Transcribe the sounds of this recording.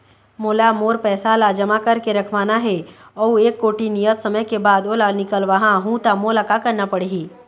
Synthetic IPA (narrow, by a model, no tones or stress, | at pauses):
moːlamoːɾpɛːsalad͡ʒɐmakəɾkeɾɐkʰʋaːnaɦɛ | ɔeːkːoːʈinijət̪sɐməjkebaːd̪oːlanɪkəlʋɐɦãɦũt̪amoːlakakəɾnapɐɽeɦi